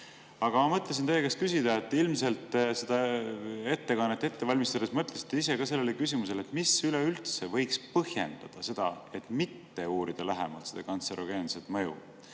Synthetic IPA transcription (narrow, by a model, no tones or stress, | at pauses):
ɑɡ̥ɑmɑmɤt̪ːˑles̬int̪ejkeskysid̪̥ɑet̪ːˑilmse̞lt̪ˑse̞d̪̥ɑe̞t̪ːe̞kɑnːet̪ːˑe̞t̪ːe̞vɑlʲmist̪ɑd̪esmɤt̪ˑlesit̪ːeis̬e̞kɑse̞lːelekys̬imus̬e̞let̪ːˑmisyleylt̪sevɤ̞jkspɤhje̞̰nd̪̥ɑd̪̥ɑse̞d̪̥ɑ̰e̞t̪ˑmit̪ːe̞uːɾid̪̥ɑlæɦemɑlt̪sed̪̥ɑkɑnt̪seɾʔoɡ̥e̞ːnset̪ˑmɤjṵ